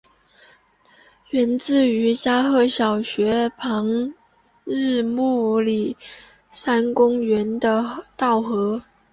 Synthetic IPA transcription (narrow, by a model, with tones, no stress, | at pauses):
ɥɛ˧˥nt͡sɹ̩˥˩y˧˥t͡ɕja˥xɤ˥˩ɕjɑ˨˩ʊɕɥɛ˧˥pʰɑ˧˥ŋ | ɻ̩˥˧mu˥˩li˨˩ | sa˥nkʊ˥ŋɥɛ˧˥nd̪ə˧t̪ɑ˥˩ʊxɤ˧˥